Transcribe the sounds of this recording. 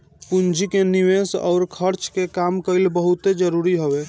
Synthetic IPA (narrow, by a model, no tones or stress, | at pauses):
pund͡ʒikeniʋesɔ̰ʊɾkʰəɾt͡ʃkekamkəjlbəɦut̪ed͡ʒəɾuɾiɦobe